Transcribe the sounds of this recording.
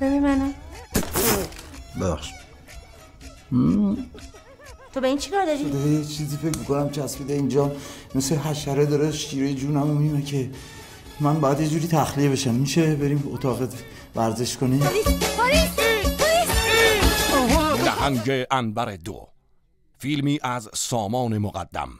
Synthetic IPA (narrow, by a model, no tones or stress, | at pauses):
b̥eɾimæna | bebæ̰xʃi̥d̪ | t̪ʰobeiːnt͡ʃʰi̥kɑːɾd̪ɒɾid̪ɒɾejet͡ʃʰiːziːfe̞cʰmikʰo̞næmkʰæsfid̪eind͡ʒɒːmesleɦæʃæɾed̪ɒːɾeʃiːɾejed͡ʒuːnæmomiːmecʰe̞ | mænbɒːjæd̪je̞d͡ʒuːɾiːt̪ʰæxliebe̞ʃæmːiʃe̞be̞ɾiːmo̰t̪ʰɒːɣet̪ | væɾze̞ʃkʰoniːmioɾiɾi | olæ̰hæŋɟeʔænbæɾed̪o̰ | fiːlmiːʔæzsɒːmɒːnemoɣæ̰d̪̥ːæ̰m